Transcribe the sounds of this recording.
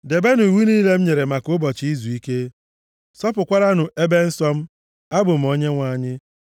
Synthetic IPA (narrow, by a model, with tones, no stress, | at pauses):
de˨be˦nʊ˨i˨wi˦niː˦le˦m̩˦ɲe˨ɾe˨ma˨kʊ˦bɔ˨t͡ʃi˦zu˨i˦ke˦ | sɔ˦pʊ˨kʷa˦ɾa˦nʊ˨ʔe˦be˦n̩˦sɔ˦m̩˦ | a˦bʊ˨m̩˨o˦ɲe˦ŋʷa˨ɲɪ˦